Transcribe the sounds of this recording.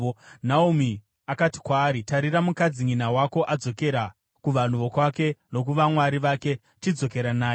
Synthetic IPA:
naumi | akati̥kwaːɾitaɾiɾamukad͡ziŋinawako̞ʔad͡zo̞ke̞ɾa | kuʋan̤uʋo̞kwake̞no̞k̬uʋamwaɾiʋake̞ | t͡ʃid͡zo̞ke̞ɾanaː

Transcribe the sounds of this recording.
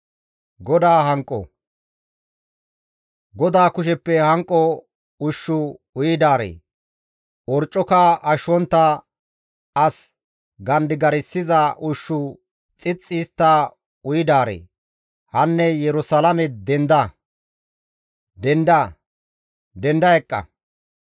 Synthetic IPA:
ɡɔd̪aːɦɐŋkʼːɔ̰ | ɡɔd̪aːkʊʃ̬ɛpːɛhɐŋkʼːɔ | ʊʃːʊ | ʊjɪd̪aːɾḛː | ɔɾt͡ʃʼːɔkɐʔɐʃɔnt̪ːɐ | ɐs | ɡɐnd̪ɪɡɐɾɪsːɪzɐʔʊʃːʊ | t͡sʼɪt͡sʼːɪst̪ːa | ʊjɪd̪aːɾḛː | hɐnːɛjɛɾʊsɐlɐmɛd̪ɛnd̪ɐ | d̪ɛnd̪ɐ | d̪ɛnd̪ɐɛkʼːɐ̰

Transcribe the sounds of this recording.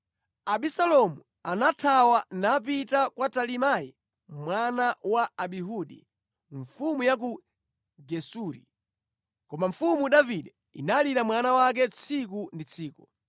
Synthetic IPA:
aɓisalɔmu | anatʰawanap̬itakwatalimajɛ | mwanawaaɓiɦuɗḭ | ɱfumujak̬u | ɡɛsuːɾḭ | kɔmaɱfumuɗaviɗɛ | ḭnaliɾamwanawak̬ɛt͡sʰik̬undit͡sʰiːkɔ̥

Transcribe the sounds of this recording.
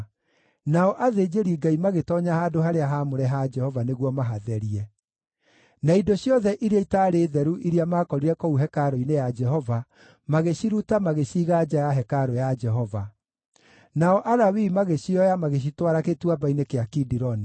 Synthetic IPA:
naɔʔaðed͡ʒeɾiɡaimaɣetɔɲahaːdoɦaɾeaɦamoɾɛɦad͡ʒɛhɔvaneɣwɔmaɦaðɛɾiɛ | naidoɕjɔðɛʔiɾeaitaɾeːðɛɾuʔiɾiamakɔɾiɾɛkɔuɦɛkaɾɔinejad͡ʒɛɦɔva | maɣeɕiɾutamaɣeɕiːɣad͡ʒajaɦɛkaɾɔjad͡ʒɛɦɔva | naɔʔaɾawimaɣeɕiɔjamaɣeɕ̬itwaɾaketwabainekeakidiɾɔni

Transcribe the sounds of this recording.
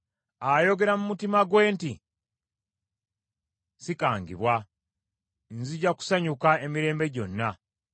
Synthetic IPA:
ajo̞ɡe̞ɾamumutimaɡwe̞ːnti | sikaːŋɡḭβwa | nziɟaku̥saɲukae̞miɾe̞ːmbe̞ɟo̞nːa

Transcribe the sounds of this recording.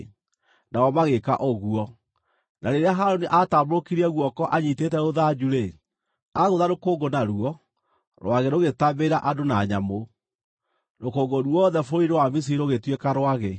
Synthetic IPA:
naɣɔmaɣeka̰ʔoɣuɔ | naɾeɾeaɦaɾoniʔatamoɾokiɾiɛɣwɔkɔʔaɲitetɛoðad͡ʒuɾe | aɣoðaɾokoŋɡonaɾuɔ | ɾw̰aɣɛɾoɣetameɾaʔadonaɲamo | nokoːŋɡoɾwɔðɛfoiɾewamis̬iiɾoɣetwekaɾwaɣe

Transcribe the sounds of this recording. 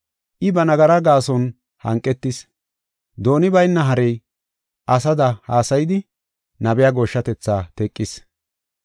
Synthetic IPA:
ʔɪbɐnɐɡɐɾɐɡaːsɔn | hɐ̰ŋkʼːɛt̪ːɪs | d̪o̞ːnɪbɐjnːɐɦɐɾɛj | ʔɐsɐd̪ɐhaːsɐjɪd̪ɪ | nɐbɛjaɡoːʃːɐt̪ɛt͡sːaːt̪ɛkʼːɪs

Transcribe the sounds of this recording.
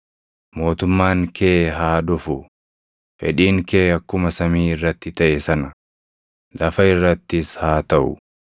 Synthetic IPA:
mo̞ːt̪ʊmːaːŋkʰeːɦaːd̪ʊfʊ | fɛ̰ᶑiːŋkeːɐkːʊmɐsɐmiːɪrːɐt̪ːɪt̪ɐʔɛsɐnɐ | lɐfɐɪrːɐt̪ːɪshaːt̪ɐʔʊ̰

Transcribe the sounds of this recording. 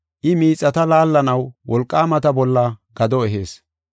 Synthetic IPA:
ʔɪmiːt͡sʼːɐt̪ɐlaːlːɐnɐwwɔlkʼːaːmɐt̪ɐbɔlːɐɡ̥ɐd̪ɔɛɦeːs

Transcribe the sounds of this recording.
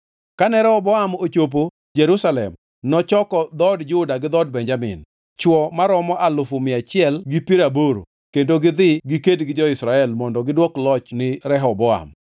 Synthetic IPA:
kanɛɾɛhɔbɔamot͡ʃop̬o | d͡ʒeɾusalɛ̰m | nɔt͡ʃɔkɔd̪ɔdd͡ʒʊdaɡɪd̪ɔd̚bɛɲd͡ʒamɪ̰n | t͡ʃwɔmaɾɔmɔʔalʊfʊmɪat͡ʃɪɛlɡɪpiɾaboɾo̰ | kendoɡɪd̪ɪɡɪkedɡɪd͡ʒɔɪsɾaɛlmɔndɔɡɪdwɔklɔt͡ʃnɪɾɛɦɔbɔa̰m

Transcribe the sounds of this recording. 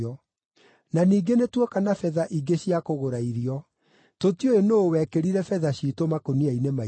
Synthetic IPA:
ɔ | naniːɡenetwɛkanafɛðaʔiɡeɕjakoɣoɾaiɾiɔ | totioenoːwɛkeɾiɾɛfɛðaɕitomakoniainema

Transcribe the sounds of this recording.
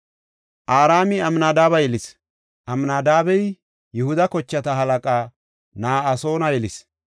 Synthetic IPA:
ʔaːɾaːmɪɐmnaːd̪aːbɐjɛlɪs | ʔɐmnaːd̪aːbɛj | jʊhʊd̪ɐkɔt͡ʃːɐt̪ɐɦɐlɐkʼaː | naːɐso̞ːnɐjɛlɪs

